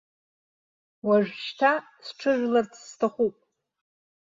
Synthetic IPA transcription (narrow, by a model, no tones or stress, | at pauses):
waʒᶣʃtʰa | sʈ͡ʂʰɨʒʲʷᶣlart͡sʰstʰaχʷupʼ